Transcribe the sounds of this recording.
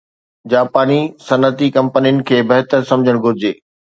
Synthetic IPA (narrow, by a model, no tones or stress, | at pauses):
d͡ʑaːpaːnisɐnət̪ikɐ̃mpənijʊnɪ̆kʰeːbɐɦt̪əɾsɐ̃md͡ʑʱəɽ̃ɡʱʊɾɪd͡ʑḛː